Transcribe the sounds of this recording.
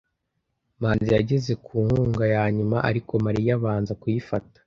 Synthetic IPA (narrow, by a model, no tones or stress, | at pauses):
maːnzijaɟe̞ze̞kʰuːŋhuːŋɡajaːɲumaʔaɾiko̞maɾijaβaːnzakujifatḁ